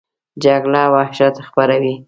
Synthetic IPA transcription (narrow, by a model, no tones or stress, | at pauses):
d͡ʒaɡlɑwɑhʃat̪xpaɾawi